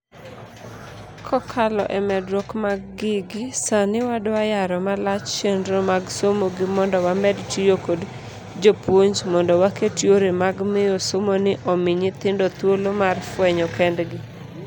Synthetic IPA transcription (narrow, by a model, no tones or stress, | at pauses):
kʰɔkʰalɔʔɛmɛdɾokmaɡːɪɡɪsanɪwadwajaɾɔmalat͡ʃt͡ʃendɾomaɡsomoɡɪmɔndɔwamɛdtijokod | d͡ʒopwoɲd͡ʒmɔndɔwaketjoɾemaɡmɪjɔsomonɪʔɔmɪɲɪt̪ɪndɔt̪wolomarfwɛɲɔkɛndɡɪ